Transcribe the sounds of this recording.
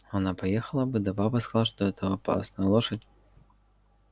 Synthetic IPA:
vanapajɛxɐlˠɐbɨd̪ɐbabɐskazalˠaʂt̪ɔɦɛt̪ʰɐɔpa̰snɐlˠɔʂɨt͡sʲ

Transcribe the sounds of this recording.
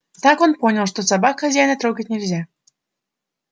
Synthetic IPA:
t̪ɑkonponʲəlˠʂt̪osɑbɑkxɐzʲæjnət̪ɾoɡət̚ʲnʲɪlʲzʲa

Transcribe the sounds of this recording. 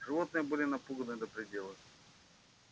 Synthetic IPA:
ʐɨvot̪nɨjəbɨlʲɪnɐpuɡənɨd̪əpɾʲɪdʲe̞lˠəx

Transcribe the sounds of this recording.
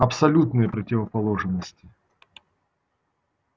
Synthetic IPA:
ɐpsɐlʲut̪nɨjəpɾətʲɪvəpɐlˠoʐɨnːəsʲtʲɪ

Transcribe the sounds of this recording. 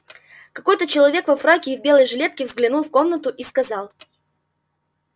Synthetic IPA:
kɐko̞jt̪ət͡ɕɪlˠɐvʲe̞kvɐfɾakʲɪvbʲelˠəjʐɨlʲe̞t̪̚kʲɪvzɡlʲɪnulˠfko̞mnət̪ʊʔiskɐzɑlˠ

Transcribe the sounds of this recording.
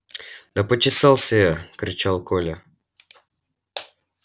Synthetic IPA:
d̪ɐpətʲɪsɑlˠsʲəjakɾʲɪt͡ɕalˠkolʲə

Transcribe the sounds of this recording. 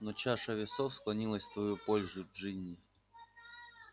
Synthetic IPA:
nɔt͡ɕaʂɐvʲɪsofsklˠɐnʲilˠəsʲt̪vɐjupolʲzʊʐɨnʲːɪ

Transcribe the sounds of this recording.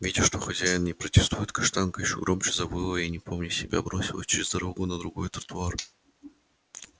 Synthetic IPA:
vʲidʲɪʂt̪o̞xɐzʲæjɪnnʲɪpɾətʲɪ̥st̪ujɪt̪kɐʂt̪ankəjɪɕoɡɾomt͡ɕɪzɐbɨlˠəinʲɪpʰo̞mnʲɪsʲɪbʲa̰bɾo̞sʲɪlˠəsʲt͡ɕɪɾʲɪzd̪ɐɾoɡʊnəd̪ɾʊɡo̞jt̪ɾə̥t̪ʊar

